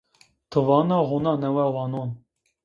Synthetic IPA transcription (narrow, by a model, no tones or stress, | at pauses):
t̪ʰɨvɑːnɑɣunɑnɛwɛwɑnon